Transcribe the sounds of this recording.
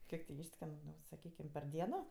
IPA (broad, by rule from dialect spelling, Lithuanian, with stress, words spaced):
ˈkʲiɛk tʲɪ ˈiːʃʲsʲkʲɛn sɐˈkʲiːkʲɪm pʲɛr ˈdʲiɛnoː